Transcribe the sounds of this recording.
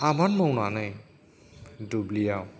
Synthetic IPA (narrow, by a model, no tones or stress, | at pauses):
amanmʌwnanaj | dublijaw